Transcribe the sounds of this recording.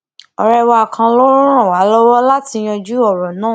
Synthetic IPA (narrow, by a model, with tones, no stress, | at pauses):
ɔ˨ɾɛ˧wa˧a˨kʰã˧lɔ̃˦ɔ̃˦˨wa˨˦lɔ˦wɔ˦la˦ti˧j̃ɔ̃˧d͡ʒu˦ɔ˦˨ɾɔ˨nãː˦˨